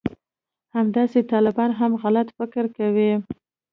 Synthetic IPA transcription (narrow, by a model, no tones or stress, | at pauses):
hamd̪ɑset̪ɑlɪbɑnɦamɣalat̪fɪkɪɾkawi